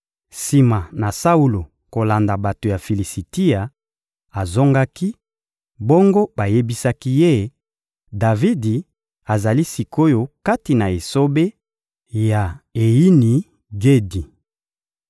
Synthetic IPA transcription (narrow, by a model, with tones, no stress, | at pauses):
si˨ma˨na˨sa˦u˦lo˨ | ko˨la˨nda˨ba˨to˨ja˨fi˨li˨si˨ti˦a˨ | a˨zo˦ŋɡa˦ki˦ | bo˦ŋɡo˦ba˨je˦bi˦sa˦ki˦je˦ | da˨vi˦di˨ | a˨za˨li˦si˨kʰo˦jo˦ka˦ti˨na˨e˨so˦be˦ | ja˨e˨ji˦ni˨ | ɡe˦di˨